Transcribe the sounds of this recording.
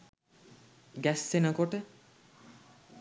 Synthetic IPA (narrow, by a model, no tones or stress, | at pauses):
ɡɛsːenakoʈe